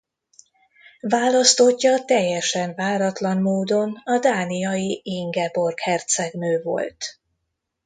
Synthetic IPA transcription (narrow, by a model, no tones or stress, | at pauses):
vaːlɒst̪o̞cːɒt̪ɛjːɛʃɛɱvaːɾɒt̪lɒnmoːd̪o̞nɒd̪aːnijɒjiiŋɡɛbo̞rkhɛrt̪sɛɡnøːvo̰lt̪